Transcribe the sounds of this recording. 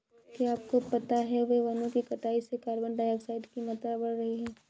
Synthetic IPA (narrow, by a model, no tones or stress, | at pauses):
kiaːp̚kopɐt̪aɦɛʋeʋɐnõkikɐʈ̪aːisekaːɾbəɳɖaːjəːksaːɪɖkimɐt̪ɾabɐɽɾɐɦiɦɛː